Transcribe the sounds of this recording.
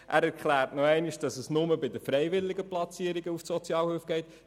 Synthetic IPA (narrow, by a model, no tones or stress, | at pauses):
ʔæːɾɛɾkχlæːɾtnɔɛɪniʃd̥ɑsəsnʊməbɪd̪əfɾɛjʋɪlːɪɡəplɑt͡siːəɾiɡəufsɔt͡sjɑːlhøːfɡ̥ɛɪt̪